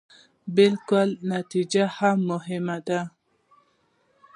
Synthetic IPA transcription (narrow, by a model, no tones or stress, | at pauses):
bɪlkʊlnat̪id͡ʒahamːʊɦɪmad̪a